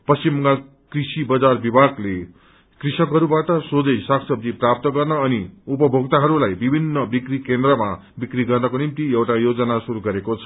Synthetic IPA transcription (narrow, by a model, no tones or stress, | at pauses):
pʌsimːʌŋɡal | krisibʌd͡zarbibʱaɡle | krisʌkɦʌɾubaʈʌsod͡zʌjsakʰsʌb̚d͡z̪iprap̚t̪ʌɡʌrnʌːniupʌbʱoɡt̪aɦʌɾulajbibʱinːʌbikrikend̪rʌma | bikriɡʌrnʌkonimt̪iewʈajod͡zʌnasuɾuɡʌɾekot͡sʰʌ̥